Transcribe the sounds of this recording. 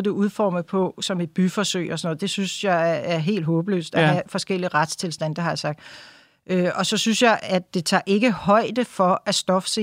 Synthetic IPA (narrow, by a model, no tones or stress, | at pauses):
d̥e̝uð̞ˠfɒ̰ːməpʰɒ̽sɒ̽me̝d̥̚b̥yfɒsøɪɒsɒ̽nɔ̽ð̩ˠd̥e̝synsjɑ̈ɪæɐɦe̝̰ːld̥ɦɔ̽ːb̥əlø̰ːsd̥ææfɒ̽sɡ̥el̰iʁad̥st͡sʰe̝lsd̥æn̰d̥ɑhɑ̈jɑ̈sɑ̈ɡ̥̚d̥ | øɒ̽sɒ̽synsjɑ̈ɪæd̥e̝t͡sʰɑ̰̈ːʔe̝ɡ̥əhɒ̽ɪ̰d̥əfɒ̽æsd̥ɒ̽fə̥se